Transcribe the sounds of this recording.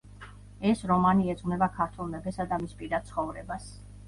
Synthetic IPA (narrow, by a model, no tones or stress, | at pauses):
ɛsɾɔmaniɛd̪zʼʁnɛbakʰaɾt̪ʰulˠmɛbɛsad̪amispʼiɾad̪̚sʰχɔvɾɛbas